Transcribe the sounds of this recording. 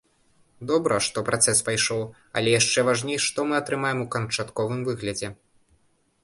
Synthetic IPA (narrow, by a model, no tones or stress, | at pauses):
d̪ɔbɾɐʂt̪ɔpɾʔat̪sɛspajʂɔw | ɐ̰lʲɛjaʂt͡ʂɛvaʐnʲejʂt̪ɔmɨɐt̪ɾɨmajɛmukɐnt͡ʂat̪kɔvɨmvɨɣlʲɐd͡zʲɛ